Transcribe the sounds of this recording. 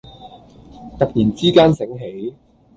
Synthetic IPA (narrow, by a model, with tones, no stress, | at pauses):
t̪ɐ˨k̚niː˨˩nt͡siː˥kaː˥nsɪ˨˥ŋɦe˨˥j